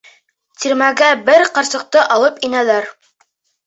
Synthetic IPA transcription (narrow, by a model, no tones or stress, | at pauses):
t̪iɾmæɡæbɘɾqɑɾsɤ̆q̚t̪ɤʔɑlˠɤpinælæɾ